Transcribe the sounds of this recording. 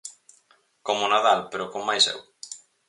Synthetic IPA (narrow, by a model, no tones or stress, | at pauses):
komonaðalpeɾokommajsɛ̰w